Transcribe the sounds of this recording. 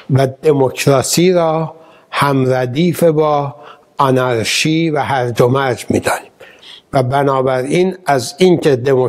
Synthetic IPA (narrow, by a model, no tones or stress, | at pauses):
væd̪e̞mocʰɾɒːsiːɾɒː | hæmɾæd̪iːfebɒː | ɒnæɾʃiːvæhæɾd̪omæɾd͡ʒmḭːd̪ɒːniːmvæbænɒːbæɾiːnæziːŋcʰe̞d̪e̞mo